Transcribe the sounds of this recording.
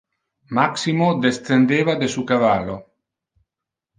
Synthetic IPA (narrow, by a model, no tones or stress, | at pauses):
maksimod̪est̪ɾend̪eːvad̪esukavalo